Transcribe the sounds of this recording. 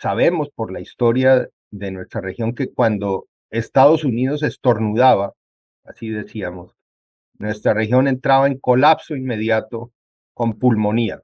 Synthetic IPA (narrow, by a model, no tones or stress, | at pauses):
saβ̞e̞mo̞spo̞ɾlaist̪o̞ɾja | ðe̞nwe̞st̪ɾare̞xjo̞ŋke̞kwand̪o̞ | e̞st̪aðo̞suniðo̞se̞st̪o̞ɾnuðaβa | asiðe̞siamo̞s | nwe̞st̪ɾarexjo̞ne̞nt̪ɾaβae̞ŋko̞lapso̞inme̞ðjat̪o̞ | ko̞mpulmo̞nia̰